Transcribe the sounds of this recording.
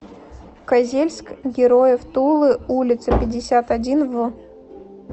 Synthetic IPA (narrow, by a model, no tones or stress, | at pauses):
kɐzʲelʲsʲkɡʲɪɾojəft̪ulˠɨulʲɪt̪səpʲɪdʲːɪsʲat̪adʲinvɨ